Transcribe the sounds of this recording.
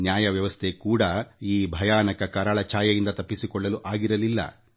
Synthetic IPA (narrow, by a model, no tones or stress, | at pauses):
njaːjɐʋjɐʋɐst̪ʰekuːɽɐiːbʱɐjaːnɐkɐkɐɾɐɭɐt͡ʃaːjɐjind̪ɐt̪ɐpːisikɔɭːɐluʔaːɡiɾɐlilːɐ̰